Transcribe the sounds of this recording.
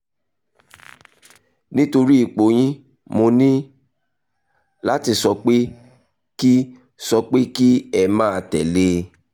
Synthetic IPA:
nĩ˦to˧ɾi˦i˦˨k͡po˨˦j̃ĩ˦ | mo˧nĩ˦ | la˦ti˧sɔ˧k͡pe˦ | ki˦ | sɔ˧k͡pe˦ki˦ɛ˧mãː˦˧tɛ˨le˦

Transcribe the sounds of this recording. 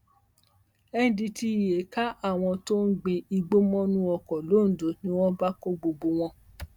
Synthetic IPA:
ɛ˦di˧ti˧˨je˨ka˦ʔa˦˨w̃ɔ̃˧to˦n̩˦ɡ͡bi˧i˧ɡ͡bo˦mɔ̃˦nũ˦ɔ˧kɔ˨lo˨˦n̩˨do˨˦nĩ˦w̃ɔ̃˦ba˦ko˦ɡ͡bo˧ɡ͡bo˧w̃ɔ̃˧

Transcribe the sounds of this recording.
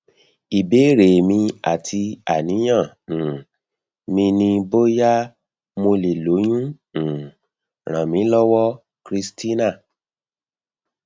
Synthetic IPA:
i˨be˨˦ɾe˨mĩ˧a̰˨tʰi˧a˨nĩ˨˦j̃ã˦˨ | mĩ˧nĩ˧bo˦ja˦ | mo˧le˨lo˨˦j̃ũ˦˨ | ɾ̃ã˨mĩ˨˦lɔ˦wɔ˦ | kɾi˧sti˦na˦˨

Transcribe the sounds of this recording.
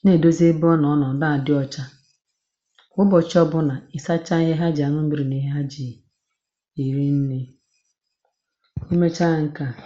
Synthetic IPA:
ne˨do˦ze˦bɔ˦nɔ˨˦nɔ˨n̩˨da˦˨dɪ˦ɔ˦t͡ʃa˦ | ʊ˦bɔ˨t͡ʃɔ˦bʊ˦na˨ɪ˨sa˦t͡ʃa˦i˦ɦe˦ɦa˦d͡ʒi˨a˨nʊ˦m̩˦bi˦ɾi˨ni˦ɦe˦ɦa˦d͡ʒi˨ | i˨ɾi˦n̩˦ni˦ | i˦me˦t͡ʃa˦˨ŋ̩˦ka˨

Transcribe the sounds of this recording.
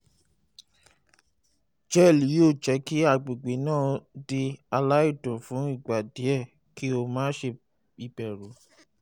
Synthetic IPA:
d͡ʒɛ˦˨li˨˦jo˦˨d͡ʒɛ˨˦ki˦a˦˨ɡ͡be˨ɡ͡be˨˦nãː˦˨di˧a˧la˦i˦˨dɔ̃˨fũ˨˦i˦˨ɡ͡ba˨de˨˦ɛ˦˨ | ki˦o˧mãː˦ʃe˧ | i˧bɛ˨ɾo˨˦

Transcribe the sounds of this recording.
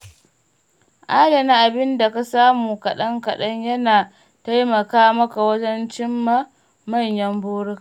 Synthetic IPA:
ʔaː˦dɐ˨na˦ʔa˨bɪ˦nda˨ka˦saː˦muː˨kɐ˨ɗɐ˦ŋkɐ˨ɗɐ˦ɲjɐ˦naː˨ | ta˦jmɐ˨kaː˦mɐ˦ka˨wɐ˦d͡ʒɐ˦nt͡ʃɪ˦mːa˦ | mɐ˦˨ɲjɐ˦mbuː˦ɽɪ˦ka˨

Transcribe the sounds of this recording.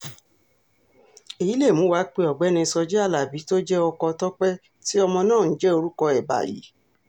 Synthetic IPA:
e˨ji˨˦le˦˨mũ˨˦wa˨˦k͡pe˧ɔ˨ɡ͡bɛ˨˦nĩ˧sɔ˧d͡ʒɛ˦a˦˨la˨bi˨˦to˦d͡ʒɛ˦ɔ˧kɔ˧tɔ˦k͡pɛ˦ | ti˦ɔ˧mɔ̃˧nãː˦˨n̩˨˦d͡ʒɛ˦o˧ɾu˦kɔ˧ɛ˨ba̰˨jḭ˨˦

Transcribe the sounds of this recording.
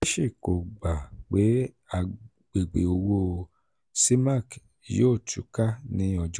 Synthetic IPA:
e˦ʃe˦˨ko˨ɡ͡ba˨k͡pe˨˦ | a˨ | ɡ͡be˨ɡ͡bḛ˨o˧wo˦ | si˦mã˦˨k | jo˦˨tṵ˨˦ka˦nĩ˧˦ɔ˧˨d͡ʒ

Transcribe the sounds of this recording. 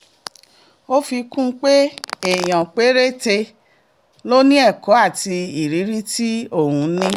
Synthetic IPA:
o˦fi˧kũ˦˧k͡pe˦e˦˨j̃ã˨k͡pe˨˦ɾe˦te˧ | lo˦nĩ˦ɛ˦˨kɔ˨˦a˦˨ti˧i˨ɾi˨˦ɾi˦ti˦o˦˨hũ˧˦nĩ˦

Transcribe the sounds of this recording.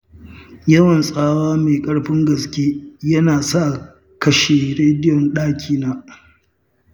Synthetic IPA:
jɐ˦wɐ˨nsʼaː˦waː˦meː˨kʼɐ˦ɽɸɪ˦ŋɡɐ˨skʲeː˦jɐ˦naː˨sa˦˨ | kɐ˦ʃe˨ɾeː˦dɪ˦jɔ˨nɗaː˦kʲʰiː˦naː˦

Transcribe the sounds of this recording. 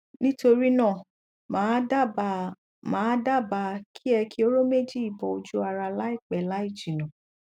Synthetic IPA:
nĩ˦to˧ɾi˦nãː˦˨ | mã˨˦da˦˨b | mãː˦da˦˨ba˧kʰi˦ɛ˧kʰi˦o˦ɾo˦me˦˨d͡ʒi˦i˦˨bɔ˨o˨d͡ʒu˦a˧ɾa˧la˦i˦˨k͡pɛ˨la˨˦i˦˨d͡ʒi˨nã˨

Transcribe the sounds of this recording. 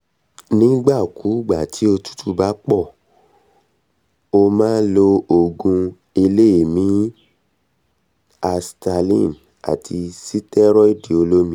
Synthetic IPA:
nĩ˦ɡ͡ba˦˨ku˨˦˨ɡ͡ba˨tʰi˨˦o˧tu̥˦tʰu˦˨ba˨˦k͡pɔ˦˨ | o˧mãː˦lo˧o˨ɡũ˧ | i˧le˦i˨mĩ˨˦ | a˧sta˧lḭ̃˦˨n | a̰˨tʰi˧si˦tɛ˦ɾɔ˦i˦˨di˨o˧lo˦mĩ˦

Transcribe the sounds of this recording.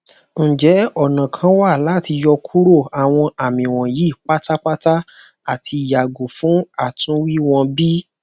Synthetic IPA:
ñ̩˨d͡ʒɛ˨˦ɔ˦˨nã˨kʰã˧˦wa˦˨la˦ti˧jɔ˧kʰu˦ɾo˦˨a˨w̃ɔ̃˧a˨mĩ˨w̃ɔ̃˨ji˨˦˨k͡pa˦ta˦k͡pa˦ta˦ | a˦˨tʰi˧˨ja˨ɡu˨fũ˨˦a˦˨tũ˨˦wi˦w̃ɔ̃˧bi˦

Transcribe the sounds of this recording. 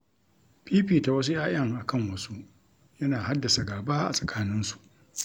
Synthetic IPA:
piː˦ɸiː˦˨ta˨wɐ˦s̬u˦jaː˦ʔɐ˦ŋʔa˨kɐ˦˨ŋwɐ˦su˦ | jɐ˦naː˨ha˦dːa˨sa˨ɡaː˨baː˦ʔa̰˨sʼɐ̥˨kʰaː˦nɪ˦nsu̥˨ʔ

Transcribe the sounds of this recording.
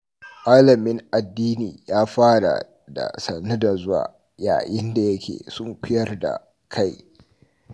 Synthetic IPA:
ʔaː˦lɐ˨mɪ˦ŋʔa˨dːiː˦niː˨jaː˦ɸaː˦ɽa̰˨ | da̰˨sɐ˨nːu˦da˨zʊ˦wa̰ː˨ | ja̰ː˨jɪ˦nda˨jɐ˦kʲḛː˨sʊ˦ŋkʷʊ˦jɐ˦rda̰˨ | kʰa˦j

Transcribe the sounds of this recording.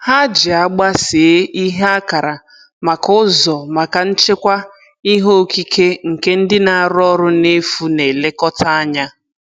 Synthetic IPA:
ha˦d͡ʒɪ˨a˦ɡ͡ba˦se˨e˦i˦ɦe˦a˦ka˨ɾa˨ | ma˨kʊ˦zɔ˨ma˨ka˨n̩˦t͡ʃe˦kʷa˦ | i˦ɦo˦˨ki˦ke˦ŋ̩˨ke˦n̩˦dɪ˦na˨a˨ɾɔ˦ɾʊ˦ne˦fu˦ne˨le˦kɔ˦ta˦a˦ɲa˦

